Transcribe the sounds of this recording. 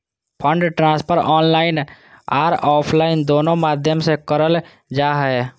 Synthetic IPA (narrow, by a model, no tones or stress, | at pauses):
pʰə̃ɳɖʈɾãːspʰəɾɔːnlaːɪn | a̰ːɾɔːpʰlaːɪnd̪oːnõmaːd̪ʱjəmsekəɾəl | d͡ʒaːɦɛ